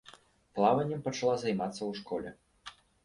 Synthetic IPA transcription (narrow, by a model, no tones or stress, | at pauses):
plˠavɐnʲːɛmpɐt͡ʂɐlˠazajmat̪sːɐwʂkɔlʲɛ